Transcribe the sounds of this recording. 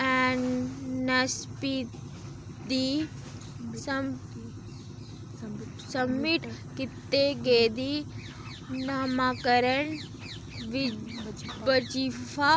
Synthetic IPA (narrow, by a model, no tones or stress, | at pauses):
ɛnːɐspit̪ | d̪i | sɐm | sɐmːiʈkit̪ːeɡeːd̪i | namakəɾən | ʋi | bət͡ʃifʰa